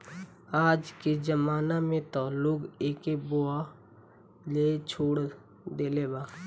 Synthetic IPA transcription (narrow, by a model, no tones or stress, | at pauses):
aːd͡ʒked͡ʒəmaːnamẽt̪aːlʊkeːkeboa | leːt͡ʃʰoːɽ | d̪eːlebaː